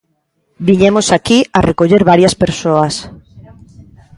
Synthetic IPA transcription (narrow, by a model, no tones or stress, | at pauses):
biɲemosakiarekoʎeɾβaɾjaspeɾsoas